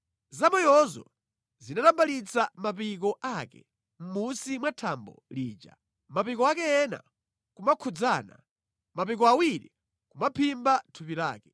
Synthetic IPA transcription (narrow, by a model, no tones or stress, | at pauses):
zamɔjɔzɔ̰ | zinatambalit͡sʰamapik̬ɔʔakɛ̰ | m̩musimwatʰambɔ̰liːd͡ʒa̰ | mapikɔakɛɛna̰ | kumakʰud͡zaːna̰ | mapik̬ɔawiɾi | kumapʰimbatʰupiɾa̰ːkɛ